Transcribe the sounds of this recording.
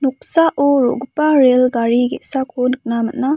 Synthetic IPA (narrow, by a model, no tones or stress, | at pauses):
nuk̚saʔɔɾo̰ɡupaɾelɡaɾiɡḛsakʰonɯk̚naməʔnːa